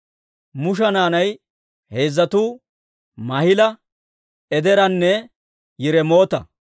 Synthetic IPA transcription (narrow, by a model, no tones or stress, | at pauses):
mʊʃ̬ɐnaːnɐj | he̞ːzːɐt̪uː | mɐhɪlɐ | ʔɛd̪ɛɾɐnːɛ | jɪɾɛmo̞ːt̪ɐ̰